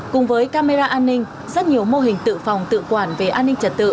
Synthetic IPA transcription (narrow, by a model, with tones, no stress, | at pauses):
kʊ˨˩ŋ͡mvəː˨˦jkaː˧me˧zaː˧ʔaː˧nːï˧ŋ̟ | zə˦˥t̚ɲi˨˩əwmo˧ɦï˨˩ŋ̟t̪ɨ̰˧˨fa˨˩wŋ͡mt̪ɨ̰˧˨kwaː˧˩nve˨˩ʔaː˧nːï˧ŋ̟t͡ɕə˨˩t̚t̪ɨ̰˧˨